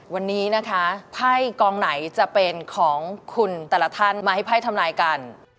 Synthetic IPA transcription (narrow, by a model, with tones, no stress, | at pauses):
wa˧nːiː˦˥na˦˥kʰa˦˥pʰa˥˩jkɔː˧ŋna˩˦jt͡ɕa˨˩pe˧nkʰɔː˩˦ŋkʰu˧nt̪ɛː˨˩la˧t̪ʰa˥˩nmaː˧ha˥˩jpʰa˥˩jt̪ʰa˧mlaː˧jka˧n